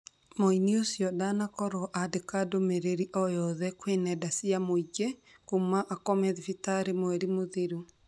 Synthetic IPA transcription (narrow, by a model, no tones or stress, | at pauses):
moiniosjɔdanakɔɾɔʔadekadomeɾeɾiʔɔjɔðɛkwenɛdasiamoid͡ʒe | kumaʔakɔmɛðifitaɾemoɛɾimoðiɾu